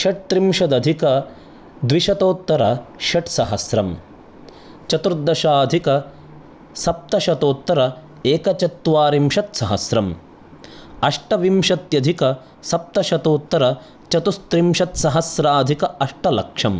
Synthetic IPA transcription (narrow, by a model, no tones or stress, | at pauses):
ʃɐʈ̚t̪ɾimʃɐd̪ɐd̪ʱikɐ | d̪ʋiʃɐt̪oːt̪ːɐɾɐʃɐʈsɐɦɐsɾɐm | t͡ʃɐt̪uɾd̪ːɐʃaːd̪ʱikɐ | sɐp̚t̪ɐʃɐt̪oːt̪ːɐɾɐ | eːkɐt͡ʃɐt̪ːʋaːɾimʃɐt̪sɐɦɐsɾɐm | ɐʂʈɐʋimʃɐt̪jɐd̪ʱikɐ | sɐp̚t̪ɐʃɐt̪oːt̪ːɐɾɐ | t͡ʃɐt̪ust̪ɾimʃɐt̪sɐɦɐsɾaːd̪ʱikɐʔɐʂʈɐlɐkʂɐm